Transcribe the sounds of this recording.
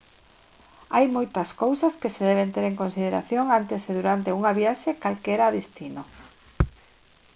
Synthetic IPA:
ajmojt̪ɐskowsɐskeseðɛβent̪eɾeŋkonsið̞eɾa̰θjoŋant̪eseðuɾant̪euŋaβjaʃekalkeɾaːðist̪ino

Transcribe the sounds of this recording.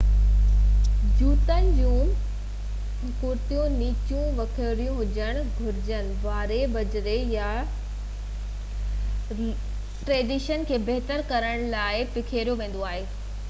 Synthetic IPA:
d͡ʑuːt̪ənɪ̆d͡ʑũ | kʊɾt̪ijũniːt͡ɕũʋɐkʰəɾijũɦʊd͡ʑəɽ̃ɡʱʊɾɪd͡ʑənɪ̆ʋaːɾebɐd͡ʑɾeja | ʈɾeːɖiʃənkʰeːbeɦt̪əɾkɐɾəɽ̃laːɪpɪkʰeːɾijoʋẽːn̆d̪oaːɦeː

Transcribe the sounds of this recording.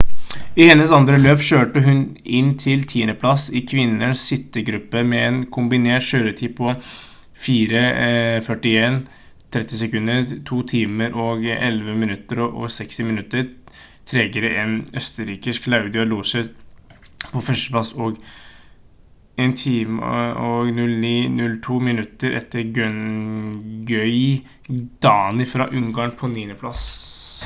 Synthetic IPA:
ɪhɛnːəsɑnd̪ɾəløːpɕøːʈəɦʉnɪnt̪ʰɪlt̪ʰiːənəpʰlɑsɪkʰʋɪnːəɳssɪt̪ːəɡɾʉpːəmɛɛnkʰʊmbɪneːʈʂøːɾət̪ʰiːpʰɔ | fiːɾəfœʈɪeːn | t̪ʰɾɛt̪ːɪsɛkʉnːəɾt̪ʰuːt̪ʰiːməɾʔɔɡɛlʋəmɪnʉt̪ːəɾɔɔ̰sɛkst̪ɪmɪnʉt̪ːəɾ | t̪ʰɾeːɡəɾəʔɛnœst̪əɾiːkəskʰlaʉd̪ɪɑluːsə | pʰɔfœʂʈəplɑsɔːɡ | ɛnt̪ʰiːmɔɡnʉlniːnʉlt̪ʰuːmɪnʉt̪ːəɾʔɛ̰t̪ːəɾɡœn | ɡœʏ | d̪̥ɑːnɪfɾɑ̰ːʔʉŋɡɑɳpʰɔniːənəpʰlɑs

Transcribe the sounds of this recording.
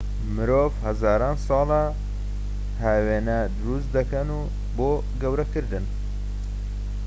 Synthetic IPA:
mɨɾoːvhɐzaːɾɑːnsɑːlɐ | haːweːnɐd̪ɨɾust̪d̪ɐkɐnuː | boː | ɡɐwɾɐkɨɾd̪ɨn

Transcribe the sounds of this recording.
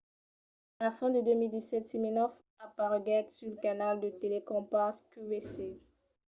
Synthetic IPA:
lafɛ̃d̪əd̪ømild̪isɛt̪siminɔf | apaʁɡɛt̪syʁləkanald̪ət̪elekɔ̃paskybese

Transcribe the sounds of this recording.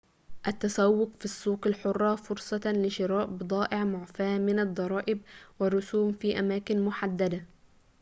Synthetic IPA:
ʔat̪ːasawːʊqfisˤːuːqalħʊrˤːɑfʊɾsˤɑlɪʃɪɾɑːʔbɨd̪ˤɑːʔɪʕmʊʕfaːmɪnɑd̪ˤːɑɾˤɑːʔɪb̚wɪrˤːʊsuːmfiːʔamaːkɪnmʊħad̪ːad̪a

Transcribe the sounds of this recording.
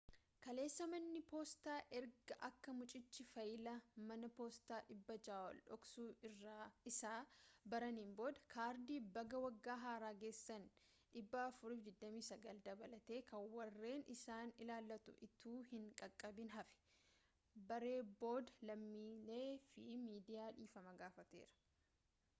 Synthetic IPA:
kɐle̞ːsːɐmɐnːɪpoːst̪aːʔɛɾɡɐʔɐkːɐmʊt͡ʃʼɪt͡ʃːɪfɐjɪlɐmɐnɐpoːst̪aːʔɪbːɐd͡ʒaːwɐ̰lᶑɔksuːɪrːaɪsaːbɐɾɐniːnbo̞ːd̪ɐ̥kʰaːɾd̪iːbɐɡɐwɐɡːaːɦaːɾaːɡe̞ːsːɐn | ᶑɪbːɐːfʊɾiːfd̪ɪd̪ːɐmiːsɐɡɐld̪ɐbɐlɐt̪e̞ːkɐwɐrːe̞ːnɪsaːnɪlaːlːɐt̪ʊ̰ʔɪt̪uːhɪŋkʼɐkʼːɐbɪnɦɐfɛ̥ | bɐɾe̞ːbo̞ːd̪ɐlɐmːiːleːfɪmiːd̪ɪjaːᶑiːfɐmɐɡaːfɐt̪ḛːɾɐ̥

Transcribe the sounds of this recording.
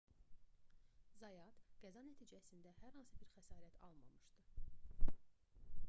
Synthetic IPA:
zɑjɑd̪ɡ̥æzɑnæt̪ʰiːd͡ʒæsind̪æhæɾhɑnsɯbiɾxæsɑːɾæt̪ʰɑ̰lˠmɑ̰mɯʃd̪ɯ

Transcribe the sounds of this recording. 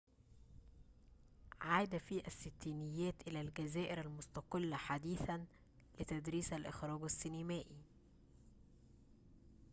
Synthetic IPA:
ʕaːd̪æfiːʔæsːɪt̪ːiːnɪjːæːt̪ʔɪlælɡæzæːʔɪɾælmʊst̪ɑqɪlːaħad̪iːθæn | lɪt̪æd̪ɾiːsælʔɪ̰xɾˤɑːɡæsːɪnɪmæːʔi

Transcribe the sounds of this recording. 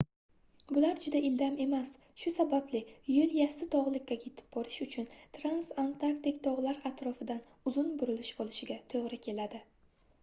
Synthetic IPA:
bʊlaɾd͡ʒʊd̪aʔɪld̪ame̞mas | ʃʊsabablɪjʊljasɪt̪ʰɒʁlˠɪkʲːakʲʰet̪ʰɪ̥b̚bɒɾɪʃʊt͡ʃʰʊnt̪ʰɾansant̪ʰaɾkt̪ɪkʲt̪ʰɒʁlˠaɾat̪ɾɒfɪd̪an | ʊzʊnbʊɾɪlɪʃbolˠɪʃɪɡʲat̪ʰoʁɾɪkʲʰe̞lad̪ɪ

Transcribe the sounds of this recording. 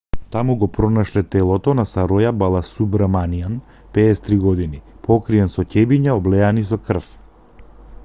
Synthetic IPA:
t̪amuɡɔpɾɔnaʃlɛt̪ɛlˠɔt̪ɔnasaɾɔjabalˠasubɾamanijan | pɛːst̪ɾiɡɔd̪inipɔkɾiɛnsɔcɛbiɲaɔblɛanisɔkr̩f

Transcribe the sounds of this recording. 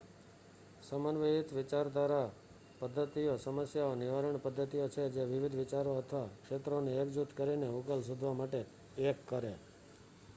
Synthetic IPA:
səmənʋeit̪ʋɪt͡ʃaɾd̪ʱʋaɾa | pəd̪ʱːət̪ijosəməsjaonɪʋaɾəɳpəd̪ʱːət̪ijot͡ʃʰed͡ʒeʋɪʋid̪ʱʋɪt͡ʃaɾoət̪ʰʋakʂet̪ɾoneːkd͡ʒut̪kəɾineukəlsud̪ʱʋamaʈe | ekːəɾe

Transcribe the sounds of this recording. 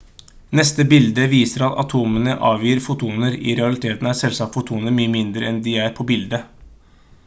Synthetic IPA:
nɛst̪əbɪld̪əʋiːsəɾɑt̪ɑ̰t̪ʰuːmənəʔɑːʋjyːɾfʊt̪ʰuːnəɾɪ̰ɾɛɑlɪt̪ʰeːt̪n̩æsɛlsɑkt̪fʊt̪ʰuːnəɾmyːəmɪnd̪ɾəɛnd̪ɪæɾpʰɔbɪld̪ə

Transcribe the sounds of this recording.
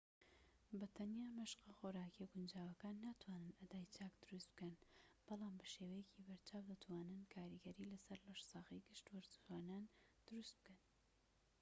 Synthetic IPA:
bɐt̪ʰɐnjaːmɐʃqɑxoːɾaːkiɛɡʊnd͡ʒaːwɐkaːnːaːt̪ʰwaːnɨnad̪aːjt͡ʃʰaːkd̪ʊɾust̪b̥̚kɐnb̥ɑlaːmbɐʃeːwɐjɛciːbɐɾt͡ʃʰaːwd̪ɐt̪ʰwaːnɨnkʰaːɾiɡɐɾiːlɐsɐɾlɐʃsɑːɣijɡɨʃt̪wɐɾzuaːnaːnd̪̥ʊɾust̪̚b̥ɨkɐn

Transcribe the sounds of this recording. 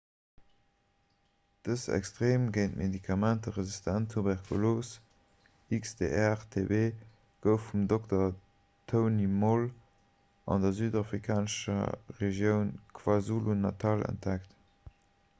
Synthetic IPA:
d̥əsæ̰kstʁeːmɡəɪntmʔedikʰɑmæntəʁəzistʰæntʰːubɛʁkʰuloːs | iksdḛɛʁtʰebeː | ɡ̥əʊfːumdoktɐ | tʰəʊnimol | ʔɑ̰ndɐzyːdafʁikʰaːnəʃɐ̰ʁeʒjəʊnkʰv̥azulunɑtʰɑlə̰nt̚ækt

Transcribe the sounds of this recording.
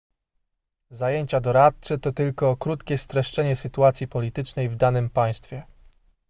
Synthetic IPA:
zajeɲt͡ɕad̪ɔɾat̪̚t͡ʂɛt̪ɔt̪ɘlkɔkɾut̪kʲɛst̪ɾɛʂt͡ʂɛɲɛsɘt̪uat̪sʲipɔlʲit̪ɘt͡ʂnɛjvd̪anɘmpaj̃st̪fʲjɛ

